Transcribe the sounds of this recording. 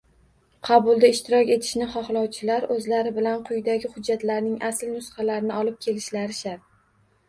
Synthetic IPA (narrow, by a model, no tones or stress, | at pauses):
qʰɑbʊlˠd̪aɪʃt̪ʰɪɾɒkʲe̞t̪ʰɪ̥ʃnɪχɒχlˠɒwt͡ʃʰɪlaɾɵzlaɾɪbɪlanqʰʊjd̪aɡʲɪχʊd͡ʒːat̪laɾnɪŋasɪlnʊsχɑlaɾnɪɒlɪp̚kʲʰe̞lɪʃlaɾɪʃaɾ